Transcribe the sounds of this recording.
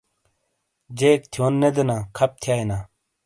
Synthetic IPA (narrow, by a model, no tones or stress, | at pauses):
d͡ʑeːk̚t̪ʰjoːnːed̪enaːkʰɐp̚t̪ʰjaːjnaː